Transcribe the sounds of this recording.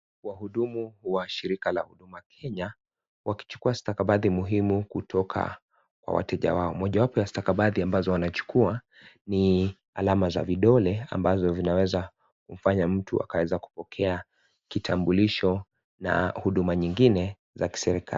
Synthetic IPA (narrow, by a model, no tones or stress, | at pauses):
wahuɗumuwaʃiɾikala̰huɗumakʰɛɲa | waki̥t͡ʃu̥kuastakaɓaðimuɦimukutʰɔkʰa̰ | kwa̰wa̰tɛʄa̰waɔmɔʄawapɔjastakaɓaðiambazɔwanat͡ʃu̥kua | ni | a̰lamaza̰viɗɔlɛa̰mbazɔzinawɛza | kum̩faɲam̩tua̰kawɛzaku̥pɔkʰɛa | kitʰambuliʃɔ | na̰huɗumaɲiŋɡinɛ | zaki̥sɛɾikʰa̰li